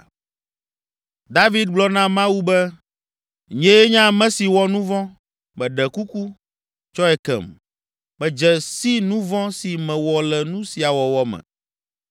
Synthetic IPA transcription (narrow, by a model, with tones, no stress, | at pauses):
d̪a˦vi˦d̪ɡ͡blɔ˦nã˦mã˦wu˦bɛ˦ | ɲɛ̃˦ɛ˦ɲã˦mɛ̃˦si˨wɔ˦nũ˦vɔ̃˦ | mɛ̃˨ɖɛ˨ku˦ku˦ | t͡ʃɔ˦ɛ˨kɛ̰˨m | mɛ̃˨d͡ʒɛ˨si˦nũ˦vɔ̃˦si˨mɛ̃˨wɔ˨lɛ˨nũ˦si˨a˨wɔ˨wɔ˨mɛ̰̃˨